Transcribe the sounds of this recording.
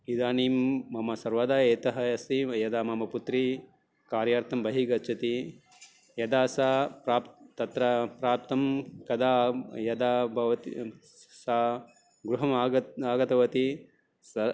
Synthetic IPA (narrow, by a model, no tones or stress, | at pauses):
id̪aːniːmːɐmɐsɐɾʋad̪aːeːt̪ɐɦɐɐst̪ijɐd̪aːmɐmɐput̪ɾi | kaːɾjaːɾt̪ʰɐmbɐɦiɡɐtːt͡ʃʰɐt̪i | jɐd̪aːsapɾaːpt̪ɐt̪ɾɐpɾaːp̚t̪ɐmkɐd̪aːjɐd̪aːbʱɐʋɐt̪i | saː | ɡɾuɦɐmaːɡɐaːɡɐt̪ɐʋɐt̪i | sɐ